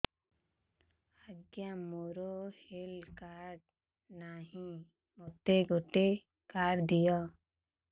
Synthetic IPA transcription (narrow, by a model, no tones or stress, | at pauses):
aɡjamoɾohelkaɾɖ | naɦĩ | mot̪eɡoʈe | kaːɾd̪ijɔ